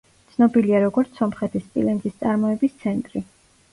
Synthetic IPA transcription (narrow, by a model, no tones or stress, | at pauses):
t̪sʰnɔbiliaɾɔɡɔɾt̪sʰɔmχɛt̪ʰisp̪ʼḭlɛŋɡist̪sʼaɾmɔɛbist̪sʰɛnt̪ʼɾi